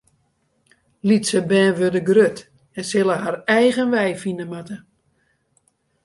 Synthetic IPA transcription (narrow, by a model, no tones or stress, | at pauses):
litsəbɛːʋødəɡrøt | ɛnsɪlˠəɦarɛjɣənʋɛjfinəmatə